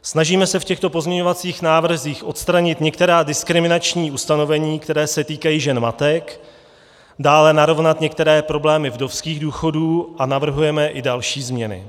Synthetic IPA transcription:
snaʒiːmɛsɛfcɛxt̪o̞po̞zmɲɛɲo̞vat͡siːxnaːvr̩ziːxʔo̞t̪st̪ɾaɲɪt̪ɲɛkt̪ɛɾaːdɪskɾɪmɪnat͡ʃɲiːʔust̪ano̞vɛɲiːkt̪ɛɾɛːsɛt̪iːkajiːʒɛnmat̪ɛk | daːlɛnaɾo̞vnat̪ɲɛkt̪ɛɾɛːpɾo̞blɛːmɪvdo̞fskiːɣduːxo̞duːʔanavr̩ɦujɛmɛʔɪdalʃiːzmɲɛnɪ̰

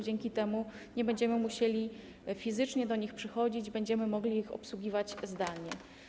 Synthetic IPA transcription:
d͡ʑɛŋkʲit̪ɛmu | ɲɛbɛɲd͡ʑɛmɘmuɕelʲi | fʲizɘt͡ʂɲɛd̪ɔɲixpʂɘxɔd͡ʑid͡ʑbɛɲd͡ʑɛmɘmɔɡlʲiːxɔ̰pswuɡʲivat͡ɕzd̪alɲɛ

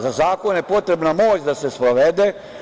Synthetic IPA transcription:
zazaːko̞njepo̞t̪ɾe̞bnamo̞ːt͡ɕd̪ase̞spɾoʋed̪e

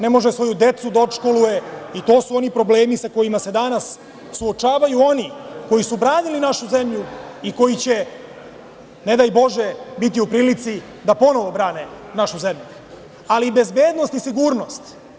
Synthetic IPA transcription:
ne̞mo̞ʒesʋo̞jud̪e̞t̪sud̪aopʃko̞luje̞it̪o̞ːsuo̞nipɾo̞ble̞ːmisako̞jimase̞d̪anas | suo̞t͡ʃaːʋajuo̞niko̞jisubɾaːnilinaʃuze̞mʎuiko̞jit͡ɕe̞ | ne̞d̪ajbo̞ʒe̞bit̪̬iupɾiːlit̪si | d̪apo̞no̞ʋo̞bɾaːne | naʃuze̞mʎu | alibe̞zbeːd̪no̞st̪isiɡuːɾno̞st̪

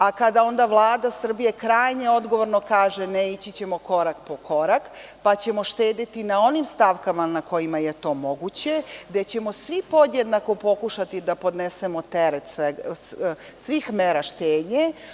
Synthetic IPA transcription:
akad̪ao̞nd̪aʋlˠaːd̪asr̩bije̞kɾaːjɲeo̞d̪ɡo̞ʋo̞ɾno̞kaːʒe̞neit͡ɕit͡ɕe̞mo̞ko̞ɾakpo̞kʰo̞ɾakpat͡ɕe̞mo̞ʃt̪eːd̪it̪inao̞nimst̪aʋkamanako̞jimaje̞t̪o̞ːmo̞ɡut͡ɕe̞d̪e̞t͡ɕe̞mo̞sʋipo̞d̪jed̪nako̞po̞kuʃat̪id̪apo̞d̪ne̞se̞mo̞t̪eɾet̪sʋeɡ | sʋixmeɾaʃt̪eːd̪ɲe

